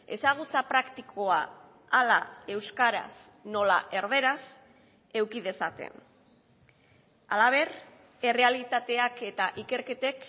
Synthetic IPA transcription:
e̞saɣ̞ut͡sapɾakt̪ikʰoaː | lae̞wskaɾa̰s | no̞la̰ʔe̞ɾðe̞ɾas | e̞wkið̞e̞sat̪e̞̰n | alaβ̞e̞ɾ | e̞re̞alit̪at̪e̞ake̞t̪aʔike̞ɾke̞t̪e̞k

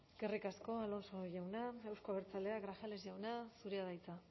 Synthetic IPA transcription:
ɡ̥erikasko̞alo̞nso̞ʝawnae̞wsko̞βeɾt͡saleaɡɾaxale̞sʝawnasuɾiaðajt͡sa

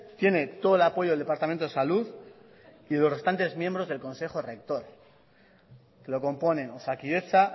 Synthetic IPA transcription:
t̪je̞ne̞t̪o̞ðelapo̞ʝoelðe̞paɾt̪amẽnt̪oe̞saluð | iðelo̞sre̞st̪ant̪e̞zmjembɾo̞zðelko̞nse̞χo̞re̞k̚t̪o̞ɾ | kelo̞ko̞mpo̞ne̞osakie̞sa

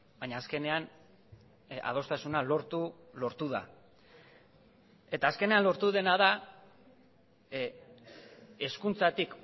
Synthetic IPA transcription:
baɲaːske̞ne̞an | a̰ð̞o̞st̪asunalo̞ɾt̪u | lo̞ɾt̪uða̰ | e̞t̪aːske̞ne̞anlo̞ɾt̪uðe̞naða | e̞skunt͡sat̪ik

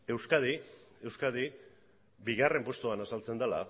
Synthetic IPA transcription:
e̞wskaðie̞wskaði | biɣare̞mpwo̞st̪uanasalt͡se̞nd̪ala̰

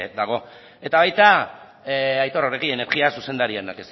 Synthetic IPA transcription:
d̪aɣ̞o̞ | e̞t̪aβajt̪a | ajt̪o̞ɾoɾeɣiene̞ɾɣiasuse̞nd̪aɾianakes

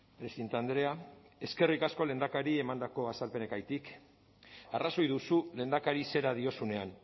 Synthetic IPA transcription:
pɾesint̪and̪ɾe̞a | e̞ske̞rikasko̞le̞nd̪akaɾie̞mand̪ako̞asalpe̞ne̞kajt̪ik | araso̞jðusule̞nd̪akaɾise̞ɾaðio̞sune̞an

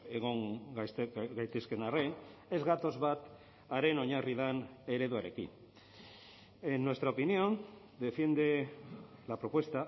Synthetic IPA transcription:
eɣoŋɡasɡajt̪eskenarene̞zɣat̪o̞zβat̪ | aɾeno̞ɲariðane̞ɾeðuaɾe̞kḭn | enːwe̞st̪ɾaopinjo̞n | d̪e̞fje̞nd̪e | lapɾo̞pwe̞st̪a

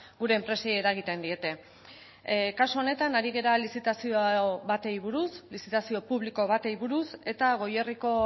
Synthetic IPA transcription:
ɡuɾe̞ːmpɾe̞sejeɾaɣ̞it̪e̞nd̪ie̞t̪e̞ | kasuone̞t̪anaɾiɣe̞ɾalisit̪asioβat̪e̞jβuɾuslisit̪asio̞puβliko̞βat̪e̞iβuɾuse̞t̪aɣ̞o̞je̞riko̞

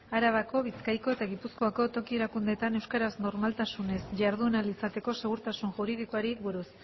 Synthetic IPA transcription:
aɾaβ̞ako̞βit͡skajko̞e̞t̪aɣipuskoako̞t̪o̞kie̞ɾakund̪e̞t̪ane̞wskaɾazno̞ɾmalt̪asune̞sʝaɾð̞uenalisat̪e̞ko̞se̞ɣ̞uɾt̪asunʝuɾið̞ikoaɾibuɾus

